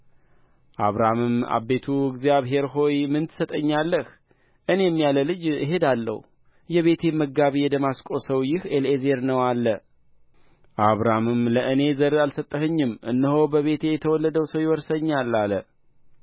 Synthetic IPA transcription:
ʔaβɾamɨma̰bːe̞t̪ʰuɨɡzijaβɦe̞ɾɦo̞jmɨnt̪ʰɨ̥sət̪ʼəɲːalːəh | ʔɨne̞jɛmːijaləlɨd͡ʒɪɦe̞d̪alːə̰hu | jɛβe̞t̪ʰe̞məɡːaβijɛd̪əmaskʼo̞səwjɪheleze̞ɾnəwalːə | ʔaβɾamɨmləʔɨne̞zəɾalsət̪ʼːəɦɨɲːɨmʔɨnːəɦo̞bəβe̞t̪ʰe̞jɛt̪ʰəwɔlːəd̪əwsəwjɛwɔɾsəɲːalːalə̰

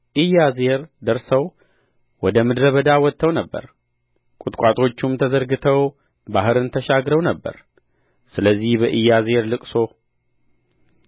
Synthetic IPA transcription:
ʔɨjːaze̞ɾd̪əɾsəw | wɔd̪əmɨd̪ɾəβəd̪awɔt̪ʰːəwnəbːə̰ɾ | kʼʊt̪ʼkʷʼat̪ʼʰo̞t͡ʃːumt̪ʰəzəɾɡɨt̪ʰəw | baɦɨɾɨnt̪ʰəʃaɡɾəwnəbːə̰ɾ | sɨləzːihbəʔɨjːaze̞ɾlɨkʼso̞

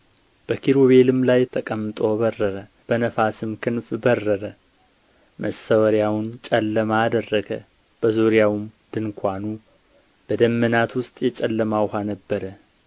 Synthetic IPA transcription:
b̥əkʰiɾoβe̞lɨmlajt̪ʰəkʼəmːt̪ʼobərːəɾə | b̥ənəfasɨmkʰɨnfbərːəɾə | mʔəsəwəɾjawnt͡ʃʼɛlːəmaːd̪ərːəɡə | b̥əzuɾijawmd̪ɨnkʷʰanu | b̥əd̪əmːənat̪wʊst̪ʼjɛt͡ʃʼɛlːəmawhanəbːəɾə

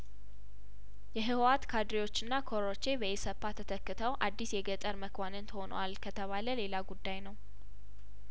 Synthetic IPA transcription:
jɛɦɨwat̪kʰad̪ɾiwo̞t͡ʃːɨnːakʰoɾɾot͡ʃːebəjesəpːat̪ʰət̪ʰəkːɨt̪ʰəwʔad̪ːisjɛɡət̪ʼəɾməkʰwanɨnt̪ʰəho̞nə̰walkʰət̪ʰəβaləle̞laɡud̪ːajnəw

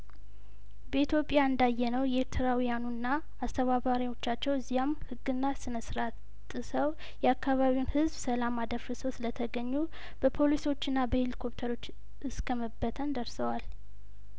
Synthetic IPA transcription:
bəit̪ʰjo̞pʼjaɨnd̪ajːɛnəwjɛeɾt̪ʰɨɾawijanunːaː | st̪ʰəβaβaɾiwo̞t͡ʃːat͡ʃːɛwɨzːijamhɨɡːɨnːasɨnəsɾa | t̪ʼːɨsəw | jɛakːaβaβiwnhɨzbsəlamad̪əɾfɨswslət̪ʰəɡəɲːu | b̥əpʰo̞liso̞t͡ʃːɨnːabəhelikʰo̞pt̪ʰəɾo̞t͡ʃː | ʔɨskʰəməbːət̪ʰənd̪əɾsəwal

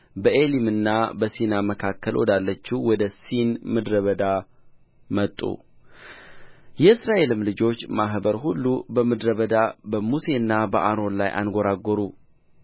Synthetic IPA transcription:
bəʔe̞limɨnːabəsinaməkʰakːəlwɔ̰d̪alːət͡ʃːiwɔd̪əsinmɨd̪ɾəβəd̪a | mət̪ʼːṵ | jɛɨsɾaʔe̞lɨmlɨd͡ʒo̞t͡ʃːmaɦbəɾɦulːubəmɨd̪ɾəβəd̪abəmuse̞ɨnːabəʔaɾo̞nlajʔa̰nɡoɾaɡoɾu

